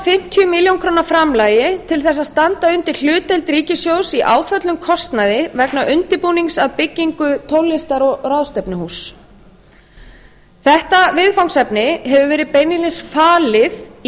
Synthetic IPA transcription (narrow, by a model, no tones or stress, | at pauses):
fɪm̥t̪ʰjʏmiljowŋkʰɾoːnaɾfɾamlaːjɪt̪ʰɪlθɛs̬aðst̪ant̪aʏnt̪ɪɾ̥l̥ʏːt̪ɛlt̪ɾiːcɪsjowsiʔaːwfœt̪lʏmkʰɔst̪naðɪvɛknaʔʏnt̪ɪpuːniŋsaðpɪcːiŋkʏt̪ʰowlɪst̪aɾɔraðst̪ɛpnɪhuːs | θɛht̪avɪðfawŋsɛpnɪɦɛvʏvɛːɾɪðpeːjnilɪnsfaːlɪð